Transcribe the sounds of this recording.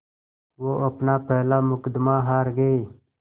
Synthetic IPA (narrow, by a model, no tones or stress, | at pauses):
woːʔɐpnaːpeːlaːmʊkəd̪maːɦaːɾɡəi